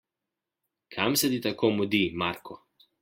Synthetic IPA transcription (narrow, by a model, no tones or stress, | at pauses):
kʰamsɛd̪it̪akomud̪imaɾkʰɔ